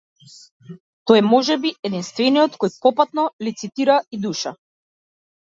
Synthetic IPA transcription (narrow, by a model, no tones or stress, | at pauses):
t̪ɔjɛmɔʒɛbiɛd̪inst̪vɛnijɔt̪kɔjpɔpat̪nɔlit̪sit̪iɾaid̪uʃa